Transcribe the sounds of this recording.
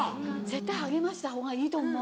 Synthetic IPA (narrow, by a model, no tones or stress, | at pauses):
zet̪ːajhaɡemaɕi̥t̪aɦoɡaiːt̪oŋmo